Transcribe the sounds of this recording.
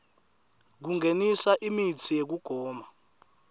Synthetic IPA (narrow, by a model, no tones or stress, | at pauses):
k̬uŋʱenisaʔimit͡sʰijek̬uɡ̥ʱɔːma